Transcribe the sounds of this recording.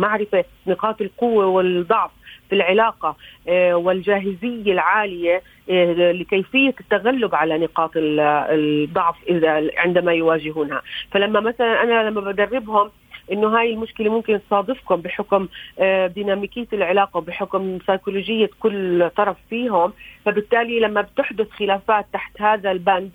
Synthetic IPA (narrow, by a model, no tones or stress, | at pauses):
maʕɾɪfe | nɪqɑːt̪ɪlqʊwːewɪd̪ˤɑʕfːilʕɪlaːqɑwɪld͡ʒaːɦɪzɪjːalʕaːlɪje | lɪkejfɪjːat̪ːaɣalːʊbʕalanɪqɑːt̪ɪ | d̪ˤːɑʕfʔɪðaʕɪnd̪amajwaːʒɪɦuːnha̰falamːamaθalanʔanalamːabad̪arːɪbhʊm | ʔɪnːʊɦaːjɪlmʊʃkɪlemʊmkɪnt̪sˤɑːd̪ˤɨfkʊmbɪħʊkmd̪iːnaːmiːkɪːaɪlʕɪlaːqɑwbɪħʊkmsɑjkuloːd͡ʒɪjːakʊlːt̪ˤːɑɾˤɑffiːɦʊmfabɪt̪ːaːlilamːabt̪ɪħd̪ʊθxɪlaːfaːt̪ːaħt̪haːðalband̪